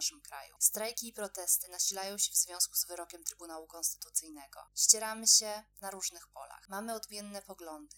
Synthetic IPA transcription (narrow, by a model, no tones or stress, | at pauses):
ʂɘmkɾa̰jṵst̪ɾajkʲiːpɾɔt̪ɛst̪ɘnaɕilajɔ̃w̃ɕɛvzvʲjɔ̃w̃skuzvɘɾɔkʲɛmt̪ɾɘbunawukɔ̃nst̪ɘ̥t̪ut̪sɘjnɛɡɔ̰ɕt͡ɕɛɾamɘɕɛnaɾuʐnɘxpɔ̰la̰xmamɘɔd̪mʲjɛnːɛpɔɡlɔnd̪ɘ